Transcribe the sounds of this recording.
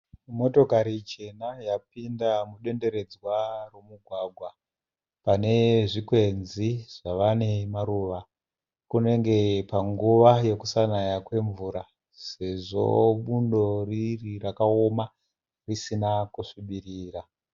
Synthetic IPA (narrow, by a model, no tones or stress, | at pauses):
mo̞to̞kaɾit͡ʃe̞najapindamuɗe̞nde̞ɾe̞d͡zwaro̞muɡʱwaɡʱwa | pane̞ʐikwe̞nziʐ̥aʋanemaɾuʋa | kune̞ŋɡe̞paŋɡuʋaje̞kusanajakwe̞ɱvuɾa | se̞ʐo̞̰ɓundo̞ririrakao̞ma | risinakuʂuɓiriːra